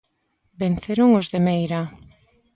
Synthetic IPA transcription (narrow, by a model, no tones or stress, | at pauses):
ben̟θeɾʊŋozðemejɾa